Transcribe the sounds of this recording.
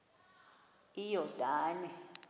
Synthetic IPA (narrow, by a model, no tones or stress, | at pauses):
ijɔd̥ʱaːnɛ